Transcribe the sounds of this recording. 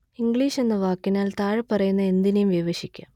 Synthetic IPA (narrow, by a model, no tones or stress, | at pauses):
iŋɡɭiːʂe̞nːɐʋaːkːinaːlt̪aːɻɨpɐrɐjunːɐe̞nd̪inejumʋiʋɐɕikʲːaːm